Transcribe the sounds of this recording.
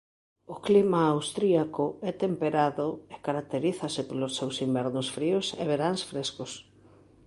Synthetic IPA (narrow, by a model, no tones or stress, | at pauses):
ʊklimaːwst̪ɾiakʊɛt̪empeɾaðʊekaɾak̚t̪eɾiθasɪpolosːewsimbɛɾnʊsfɾiʊsḛβeɾaŋsfɾeskʊs